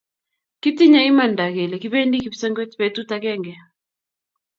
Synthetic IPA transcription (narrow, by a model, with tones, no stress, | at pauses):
ki˦ti˦ɲa˦ɪ˦ma˨nda˨ɡe˨le˨ki˦βe˦ndi˦ki˨psɛ˦ŋɡwe˦tpe˦tu˦takɛ˦ŋɡɛ˨